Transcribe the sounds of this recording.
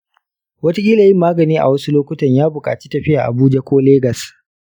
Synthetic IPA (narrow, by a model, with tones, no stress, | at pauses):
wɐ˦ta˦kʲʼiː˦laː˨jɪ˦mːaː˦ɡɐ˨niː˦ʔa̰˨wɐ˦su˦loː˦kʷʊ˦tɐ˨ɲjaː˦bʊ˨kʼaː˨t͡ʃi̥˦tɐ˨ɸɪ˦jaː˨ʔa̰˨buː˦d͡ʒa˦kʷoː˦leː˦ɡɐ˨s